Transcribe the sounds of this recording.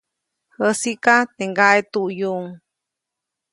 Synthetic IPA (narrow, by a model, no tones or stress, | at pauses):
həsikat̪eŋɡaʔet̪uʔjuŋ